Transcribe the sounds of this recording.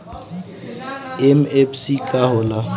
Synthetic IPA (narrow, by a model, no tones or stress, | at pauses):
ɛmepʰsikaɦoːla